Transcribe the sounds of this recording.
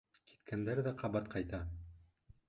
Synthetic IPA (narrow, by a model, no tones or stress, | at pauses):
ki̥t̪kʰænd̪æɾðæqʰɑβɑt̪̚qʰɑjt̪ɑ